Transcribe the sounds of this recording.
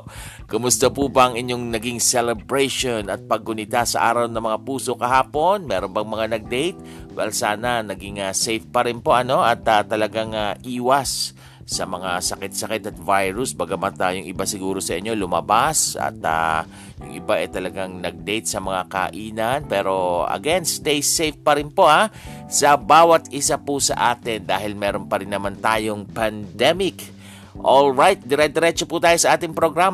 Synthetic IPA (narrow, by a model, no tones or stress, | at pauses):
kʊmʊst̪ɐpubɐɐŋɪɲjo̞ŋnɐɡɪŋsɛlɛbɹɛjʃonɐt̪̚pɐɡ̚ːʊnɪt̪asɐʔaːɾɐwnɐŋmɐŋapuːso̞kɐɦaːpo̞nmɛːɾonbɐŋmɐŋanɐɡ̚d̪ɛjt̪̚wɐ̰jlsaːnɐnɐɡɪŋasɛjfpɐɾɪnpo̞ʔɐno̞ʔɐt̪at̪ːɐlɐɡaŋaʔiːwɐsː | ɐmɐŋasɐkɛt̪sɐkɛt̪ɐt̪̚vajɹʊsbɐɡamant̪ajʊŋʔɪbasɪɡuːɾo̞sɐʔɪɲːo̞lʊmɐbasɐ̰t̪a̰ | jʊ̰ŋʔɪ̰baʔɛt̪ɐlɐɡaŋnɐɡ̚d̪ɛjt̪sɐmɐŋaka̰ʔiːnɐnpɛːɾo̞ɐ̰ɡɛnst̪ɛjsejfpɐɾɪnpo̞asɐbaːwɐt̪̚ɪsapusɐ̰ʔaːt̪ɛnd̪aːɦɪlmɛːɾonpɐɾɪnːɐmant̪aːjo̞ŋpɐnd̪ɛmɪk | ʔolɹajt̪̚d̪ɛɾɛd̪ɛɾɛt͡ʃoput̪aːjosɐʔaːt̪ɪŋpɾoɡɾam